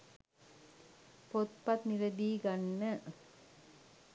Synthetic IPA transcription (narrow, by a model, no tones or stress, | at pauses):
pot̪̚pɐt̪niɾɐd̪iːɡɐnːə